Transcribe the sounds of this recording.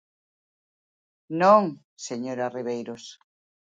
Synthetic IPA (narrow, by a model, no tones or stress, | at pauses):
nõŋ | seɲoɾariβejɾos